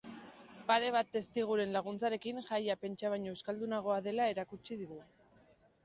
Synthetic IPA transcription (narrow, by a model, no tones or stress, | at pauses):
paɾe̞β̞at̪ːe̞st̪iɣ̞uɾe̞nlaɣ̞unt͡saɾe̞kinʝajape̞nt͡ʃaβajɲoeskald̪unaɣ̞o̞aðe̞lae̞ɾakut͡ʃið̞iɣu